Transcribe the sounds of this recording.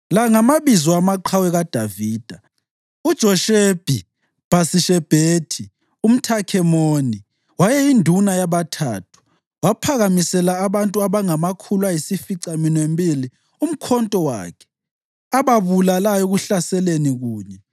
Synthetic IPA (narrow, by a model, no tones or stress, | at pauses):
laŋamaβizɔamaǃʰawɛɣad̥ʱaviːd̥ʱa | ud̥ʒ̥ʱɔʃeb̥ʱi | b̥asiʃɛb̥ʱeːtʰi | um̩tʰakʰɛmoːni | wajɛindʱunajaβatʰa̰ːtʰu̥ | wapʰaɣamisɛlaːβantʼuaβaŋamakʰulwajisifiǀaminwembʱili | um̩kʰɔntʼɔwa̰ːkʰɛ̥ | aβaβulalajɔɣuɬasɛleniɣuːɲɛ